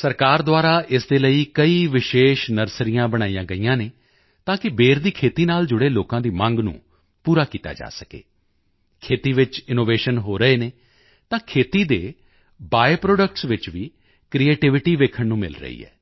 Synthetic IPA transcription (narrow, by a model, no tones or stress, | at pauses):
səɾkaːɾd̪ʊaːɾaːʔɪsd̪eːləiːkəiːʋɪʃeːʃnəɾsɾijãːbəɽ̃aːijãːɡəiːãːneː | t̪ãːkɪbeːɾd̪iːkʰeːt̪iːnaːld͡ʒʊɽeːloːkãːd̪iːmə̃ŋɡnṵ̃ː | puːɾaːkiːt̪a̰ːd͡ʒa̰ːsəkḛː | kʰeːt̪iːʋɪt͡ʃɪnoːʋeːʃənɦoːɾəeːneː | t̪ãːkʰeːt̪iːd̪eː | baːeːpɾoːɖəkʈsʋɪt͡ʃʋiː | kɾiːeːʈɪʋɪʈiːʋeːkʰəɳnũːmɪ̰lɾə̰ḭːɦɛ̰ː